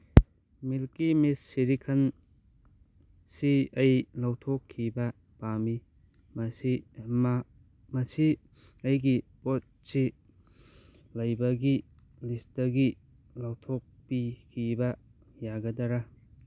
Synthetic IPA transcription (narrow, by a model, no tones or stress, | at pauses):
milkimisːiɾikʰɐn | siɐjlawtʰɔkʰːibɐ | pami | mɐsi | mɐsi | ɐjɡipot̚si | lɐjbɐɡi | listɐɡi | lawtʰɔk̚pikʰibɐ | jaɡɐdɐɾa